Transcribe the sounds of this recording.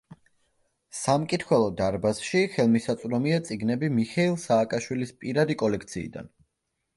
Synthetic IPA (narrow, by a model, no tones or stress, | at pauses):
samkʼit̪ʰχwɛlˠɔd̪aɾbasʃiχɛlˠmisat̪sʼɾɔmiat̪sʼiɡnɛbimiχɛilˠsaːkʼaʃwilispʼiɾad̪ikʼɔlɛk̚ʰt̪sʰḭːd̪a̰n